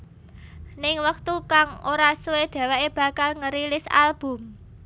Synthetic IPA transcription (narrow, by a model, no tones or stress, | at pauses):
nɪŋwək̚t̪ukaŋoɾasuwed̪̥ä̤waʔeb̥a̤kalŋəɾilɪsa̰lb̥ʊ̤m